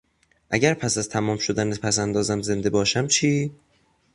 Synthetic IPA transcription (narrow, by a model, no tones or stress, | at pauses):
ʔæɟæɾpʰæsæzt̪ʰæmɒːmʃod̪ænepʰæsænd̪ɒːzæmze̞nd̪e̞bɒːʃæmt͡ʃʰiː